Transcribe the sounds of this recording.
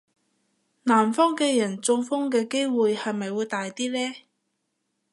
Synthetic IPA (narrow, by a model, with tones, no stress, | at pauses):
naː˨˩mfɔː˥ŋkɛː˧jɐ˨˩nt͡sʊ˧ŋfɔ˥ŋkɛː˧ke˥jwuː˨jhɐ˨jmɐ˨jwuː˨˧jt̪aː˨jt̪iː˥lɛː˥